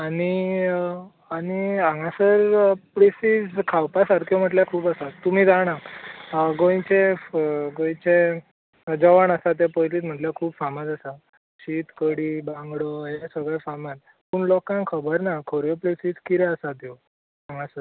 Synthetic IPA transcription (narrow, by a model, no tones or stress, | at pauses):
aɽi | aniãŋãsəɾplesid͡zkʰawpasaɾk̪ʰjem̤əʈljakʰuːpəsat̪ːum̤iːd͡zaɽa | ɡõj̃t͡ɕe | ɡõj̃t͡ɕẽ | d͡zəʋaɳəsat̪̬epɔjliːt̪m̤əʈljakʰuːbfamad͡zəsa | ɕiːt̪kəɽiːbãŋɡɽoesəɡɭefaman | puːɳlɔkãŋkʰəbəɾnakʰoɾjoplesid͡zkiɾɛəsat̪jo | ãŋãsəɾ